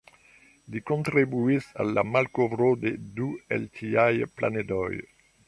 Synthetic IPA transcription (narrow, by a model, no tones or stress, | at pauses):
likont̪ɾibuisa̰lamalkovɾod̪ed̪uḛlt̪ʰiajpla̰ned̪ɔj